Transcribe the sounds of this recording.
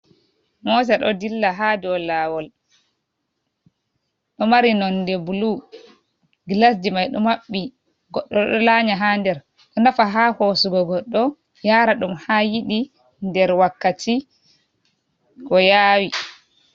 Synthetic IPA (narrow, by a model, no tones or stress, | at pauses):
mɔːs̬ɛɗɔdilːaɦadɔlawɔl | ɗɔmaɾinɔndɛbulu | ɡlasd͡ʒimajɗɔmaɓːi | ɡɔɗːɔɗɔlaɲaɦandɛɾ | ɗɔnafaɦahosuɡɔɡɔɗːɔ | jaːɾaɗumhajiɗi | ndɛɾwakːatʰi | kɔjaːwi